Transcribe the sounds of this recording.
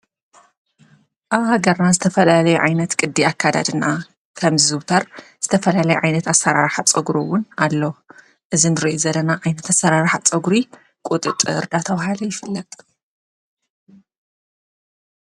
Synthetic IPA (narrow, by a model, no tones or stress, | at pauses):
ʔaβhaɡɐɾnazɨt̪ʰɐfɐlalɐjuʕajnɐt̪kʼɨd̪ːiakʰːad̪a̰d̪ɨna | kʰɐmzizɨβt̪ʰɐɾz̥ɨt̪ʰɐfɐlalɐjuʕajnɐt̪asɐɾaɾħat͡sʼɐɡɾowʊnalːo | ʔɨzinɨɾiʔuzɐlːɐnaʕajnɐt̪ʰasːɐɾaɾħat͡sʼɐɡɾi | kʼut̪ʼɨt̪ʼɨɨ̰ɾd̪at̪ʰɐβahalɐjɪfɨlːɐt̪ʼ